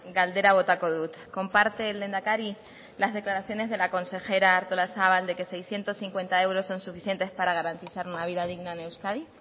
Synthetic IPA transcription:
ɡald̪e̞ɾaβo̞t̪ako̞ðut̪ko̞mpaɾt̪e̞ːld̪e̞nd̪akaɾi | lazðe̞klaɾaθjo̞ne̞zðe̞lako̞nse̞xe̞ɾaːɾt̪olasaβald̪e̞ke̞sejsθje̞nt̪o̞sθiŋkwe̞nt̪ae̞wɾo̞sːo̞nsufiθje̞nt̪e̞spaɾaɣ̞aɾant̪iθaɾunaβiðað̞iɣnaene̞wskaði

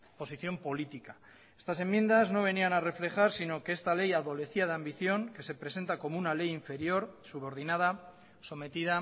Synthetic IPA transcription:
po̞siθjo̞mpo̞lit̪ika | e̞st̪ase̞mːje̞nd̪azno̞β̞e̞nianare̞fle̞xaɾsino̞ke̞est̪ale̞jaðo̞le̞θiað̞eambiθjo̞ŋke̞se̞pɾe̞se̞nt̪ako̞mounale̞jiɱfe̞ɾjo̞ɾsuβ̞o̞ɾð̞inað̞a | somet̪iða

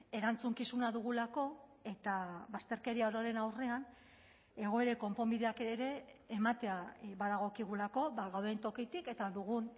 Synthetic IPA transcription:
e̞ɾant͡suŋkisunaðuɣ̞ulako̞e̞t̪aβast̪e̞ɾke̞ɾiaoɾoɾe̞nawre̞an | e̞ɣ̞o̞e̞ɾe̞ko̞mpo̞mbiðeakeɾe̞ːmat̪e̞aβaðaɣ̞o̞kiɣ̞ulako̞βaɣawðe̞nt̪o̞kit̪ike̞t̪aðuɣun

